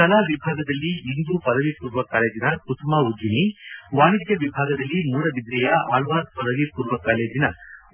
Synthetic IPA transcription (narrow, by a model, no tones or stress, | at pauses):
kɐlaːʋɪbʱaːɡɐd̪ɐlːiind̪upɐðɐʋikuɾuʋɐkaːleːd͡ʒinɐkʊt̪ːmaːʊd͡ʒiniʋaːnit̪jɐʋɪbʱaːɡɐðɐlːimuːɾɐbɪd̪ɾɐjaʔaːlʋaːd̪pɐðɐʋikuɾʋɐkaːleːd͡ʒinɐ